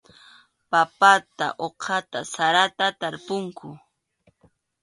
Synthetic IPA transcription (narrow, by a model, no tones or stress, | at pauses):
papat̪a̰ʔoqʰɑt̪asaɾat̪at̪aɾpʊŋkʊ